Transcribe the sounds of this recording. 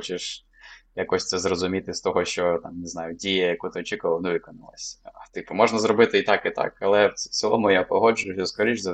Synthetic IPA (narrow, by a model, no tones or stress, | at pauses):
ɔt͡ʃeʃ | jakɔsʲt̪sɛzrɔzʊmʲit̪ɪst̪ɔɦɔʃt͡ʃɔt̪ɑmjnɪznɑjʊdʲijɐjɐkut̪ɪɔt͡ʃʲikʊʋɐlˠnʊʋɪkɔnɐlˠɐ̰sʲt̪ɪpʊmɔʒnɐzɾɔbɪt̪ɪit̪ɑkɪt̪ɑ̰kɐlˠɛsɪlˠɔmʊjapɔɦɔd͡ʒʊjʊsʲɐskɔɾʲiʒzɐ